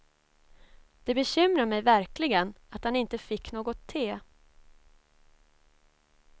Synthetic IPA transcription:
d̪̥ɛbɛɕʏmɾaɾmɛjvæɾklɪɡənat̪hanɪnt̪əfɪkːnoːɡɔt̪ʰːeː

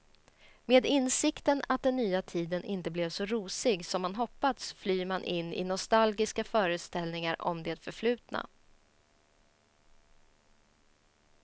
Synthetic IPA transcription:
meːd̪ɪnːsɪkt̪ənat̪̚d̪ɛnːyːat̪ʰiːd̪ənʔɪnt̪əblɛvsɔɾuːsɪɡsɔmːanɦɔpːat̪sflyːmanʔɪnːɪ̰nɔst̪alɡɪskafœːɾəst̪ɛlnɪŋaɾɔ̰md̪eːt̪fœɾflʉ̟ːt̪na̰

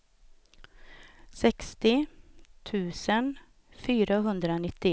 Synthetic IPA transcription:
sɛkst̪ɪt̪ʰʉ̟ːsən | fyːɾaɦɵnd̪ɾaɔnɪt̪ːɪ

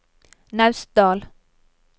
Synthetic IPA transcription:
nɑʉsd̪ɑːl

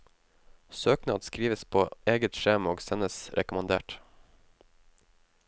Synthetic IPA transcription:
søːknɑːd̪skɾiːʋəspʰoːeːɡət̪ʃeːmoːɡsɛnəsɾʔɛ̰kʊmɑnd̪eːʈ

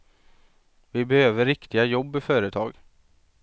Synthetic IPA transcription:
vɪbɛhøːvəɾɪkt̪ɪɡajɔbːɪfœːɾət̪ʰɑːɡ

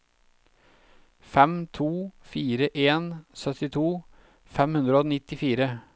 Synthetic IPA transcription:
fɛmt̪ʰuːfiːɾəʔeːnsœt̪ɪt̪ʰuː | fɛmhʉnd̪ɾəoːnɪt̪ɪfiːɾə

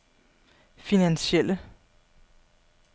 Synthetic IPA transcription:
finænsel̰ə

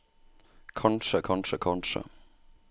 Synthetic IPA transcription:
kʰɑnʂəkʰɑnʂəkʰɑnʂə̰

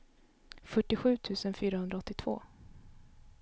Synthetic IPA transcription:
fœʈːɪɧʉ̟ːt̪ʰʉ̟ːsənfyːɾahɵnd̪ɾaɔt̪ːɪt̪ʰv̥o̰ː

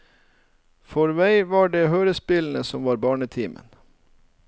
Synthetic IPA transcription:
fɔɾʋæɪʋɑːɖeːhøːɾəspɪln̩əsɔmʋɑːɾbɑːɳət̪ʰiːmə̰n

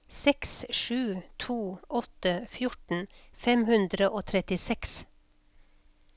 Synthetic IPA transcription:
sɛksʃʉːt̪ʰuːʔɔt̪əfjʊʈn̩fɛmhʉnd̪ɾəʔoːt̪ʰɾɛt̪ɪsɛks

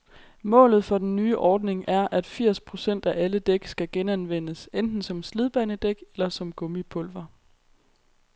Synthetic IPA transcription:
mɔ̰̽ːlð̞̩ˠfɒ̽d̥enːyːʔɒːd̥ne̝ŋʔæɐʔæd̥fiɐ̰spʰʁo̝sen̰d̥æʔæləd̥eɡ̥sɡ̥æɡ̥enænʋen̰əsend̥n̩sɒ̽mslið̞ˠb̥ænəd̥eɡ̥elɐsɒ̽mɡ̥ɔ̽mipʰɔ̽lʋɐ

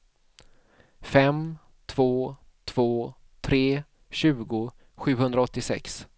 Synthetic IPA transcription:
fɛm | t̪ʰv̥oː | t̪ʰv̥oː | t̪ʰɾeː | ɕʉ̟ːɡʊ | ɧʉ̟ːhɵnd̪ɾaɔt̪ːɪsɛ̰ks

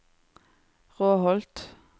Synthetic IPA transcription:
ʁoːhɔlt̪

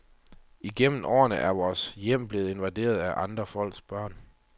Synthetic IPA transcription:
iɡ̥em̰n̩ɒ̰ːɐnəʔæɐʋɒːsjem̰b̥le̝ːð̞̩ˠe̝nʋæd̥e̝̰ːɐð̞̩ˠæʔɑ̈nd̥ʁɐfɒ̽l̰ɡ̥sb̥ɶɐ̰n

